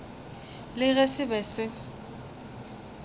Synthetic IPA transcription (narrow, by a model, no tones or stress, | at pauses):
lɪɣɛsɪbɛsɪ